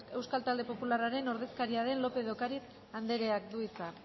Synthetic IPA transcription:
e̞wskalt̪ald̪e̞po̞pularaɾe̞no̞ɾð̞e̞skaɾiaðe̞nlo̞pe̞ðo̞kaɾit͡s | and̪e̞ɾe̞ak̚d̪uit͡sa

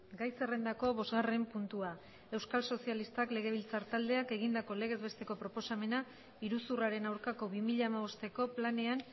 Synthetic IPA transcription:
ɡajse̞re̞nd̪ako̞βo̞zɣare̞mpunt̪ua | e̞wskalso̞sialist̪akle̞ɣ̞e̞β̞ilt͡saɾt̪ald̪e̞ake̞ɣ̞ind̪ako̞le̞ɣ̞e̞zβe̞st̪e̞ko̞pɾo̞po̞same̞na | iɾusuraɾe̞nawɾkako̞βimiʎaːmaβ̞o̞st̪e̞ko̞plane̞an

